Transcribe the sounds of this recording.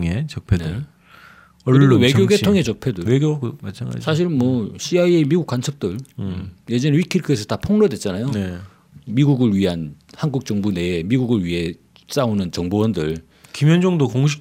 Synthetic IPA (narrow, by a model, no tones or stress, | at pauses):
ŋet͡ɕʌk̚pʰenɯɭ | ʌwe̞ɡjoɡetʰoŋe̞t͡ɕʌk̚pʰedɯɭeɡjokɯmat͡ɕʰaŋɡa̰sʰaɕ̬ʰiɾmwʌɕʰiaiemiɡukwant͡ɕʰʌp̚t͈ɯɭje̞d͡ʑʌneɥikʰiɭkʰɯesʰʌtapʰoŋnʌdwe̞t̚t͡ɕ͈anajone | miɡuɡɯɭɥiɦanhanɡuk̚t͡ɕ͈ʌŋbune̞emiɡuɡɯɭɥiɦe̞ | s͈aonɯnt͡ɕʌŋbowʌndɯɭ | kimjʌnd͡ʑʌŋdokoŋɕ̬ʰi̥